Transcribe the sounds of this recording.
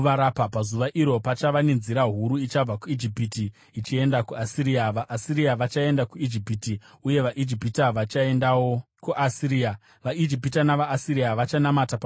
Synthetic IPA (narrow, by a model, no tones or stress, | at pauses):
ʋaɾapapazuʋaʔiɾopat͡ʃaʋane̞nziɾaɦuɾuit͡ʃab͡vakuid͡ʒipiti | it͡ʃie̞ndakuasiɾiːaʋaʔːsiriaʋat͡ʃae̞ndakuid͡ʒipiti | uje̞ʋaʔid͡ʒipitaʋat͡ʃae̞ndawo | kuʔasiɾia | ʋaid͡ʒipitanaʋaːsiriaʋat͡ʃanamatap